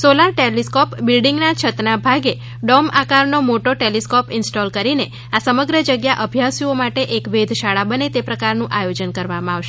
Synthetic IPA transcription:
solaɾʈeliskɔpbilɖiŋɡnat͡ʃʰət̪nabʱaɡe | ɖɔmakaɾnomoʈoʈeliskɔpɪnsʈɔlkəɾine | asəməɡɾəd͡ʒəɡjaʔəbʱjasiomaʈeʔekʋed̪ʱʃaɭabənet̪epɾəkaɾnũʔajod͡ʒənkəɾʋamãaʋʃe

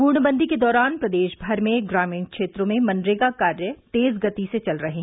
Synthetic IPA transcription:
puːɾɳbə̃nd̪ʱiked̪ɔːɾaːnpɾɐd̪eːʃbʱɐɾmẽɡɾaːmĩːnkʃeːt̪ɾõmẽmɐ̃nɖɾeːɡakaːɾjət̪eːzɡɐt̪iset͡ʃɐlɾɐɦe

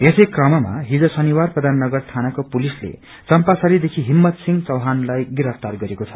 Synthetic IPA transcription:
esʌjkrʌmʌma̰ɦid͡zʌsʌniwarprʌd̪ʱanːʌɡʌrt̪ʰanakopulislḛ | t͡sʌmpasʌlid̪ekʰiɦimːʌt̪siŋɡt͡sʌwɦanlajɡiɾʌpt̪arɡʌɾekot͡sʰʌ̥

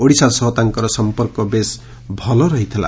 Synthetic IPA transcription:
oɽisasʌɦt̪aŋkʌɾɔsʌmpɔrkɔbes | bʱʌlɔɾʌɦit̪ʰela̰

